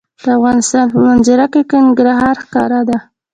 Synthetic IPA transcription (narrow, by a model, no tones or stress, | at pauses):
d̪̥əafɣɑnɪst̪ɑnpəmanzaɾakakənɡɾaɦɑɾxkɑɾad̪a